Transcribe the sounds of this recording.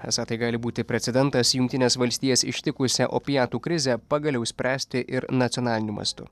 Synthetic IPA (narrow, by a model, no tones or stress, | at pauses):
ɛ̰sɑt̪ɐɪɡɑːlʲɪbuːt̪ʲɪpʲɾʲɛt̪sʲɛd̪ʲɛnt̪ɐsjʊŋkt̪ʲɪnʲeːsʋɐlʲsʲt̪ʲiːjɛsɪ̰ʃʲt̪ʲɪkʊsʲɛʔo̰pʲɪjɑːt̪uːkɾʲɪzʲɛpɑːɡɐlʲɛʊsʲpʲɾʲæːsʲt̪ʲɪʔɪɾnɐt̪ʲɔnɑːlʲɪnʲumɐ̰st̪ʊ̰